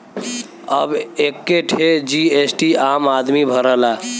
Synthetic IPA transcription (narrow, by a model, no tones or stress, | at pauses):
əbekːeʈʰed͡ʒiesʈiamad̪mibʱəɾəla